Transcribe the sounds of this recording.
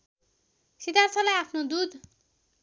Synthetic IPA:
sit̪arsʌlajapʰnod̪ud̪

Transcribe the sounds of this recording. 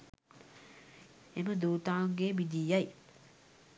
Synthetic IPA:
eməd̪uːt̪aːŋɡeːʋid̪iːaj

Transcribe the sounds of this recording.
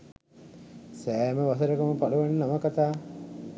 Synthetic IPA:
sɛːməʋasəɾəkəməpaluʋenːənamakat̪aː

